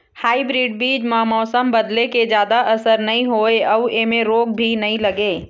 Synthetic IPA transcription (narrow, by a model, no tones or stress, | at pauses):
haːibɾiːɖ̚biːd͡ʒmɐɦmɔːsəmbɐd̪leked͡ʒjaːd̪aʔɐsəɾnɐɦĩɦoːeɐʋeːmẽɾoːɡ̚bʱinɐɦĩlɐɡeː